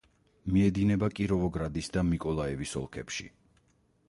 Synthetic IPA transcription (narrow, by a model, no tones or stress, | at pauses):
miɛd̪inɛbakʼiɾɔvɔɡɾad̪isd̪amikʼɔlˠaɛvisɔ̰lˠkʰɛ̰pʃḭ